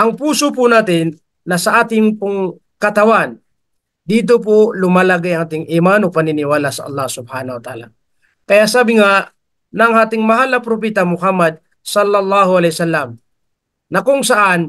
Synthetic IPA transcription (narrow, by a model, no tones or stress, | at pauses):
ʔɐŋpuːsopʊnaːt̪ɪnː | ɐsɐʔaːt̪ɪŋpʊŋ | kɐt̪ɐwan | d̪iːt̪̬op̬olʊmalaɡajɐŋaːt̪ɪŋʔɪmanopɐnɪnɪwaːlasɐʔɐ̰lˠˤːɑhsʊb̚hanɐwat̪a̰ːla | kɐjaʔsaːbɪŋa | nɐŋaːt̪ɪŋmɐɦalɐpɾopɛt̪ɐmʊhamːɐd̪̚ | sɐlːɐlːɑːhʊʔɐlɛjsalːɐm | nɐkʊŋsɐʔan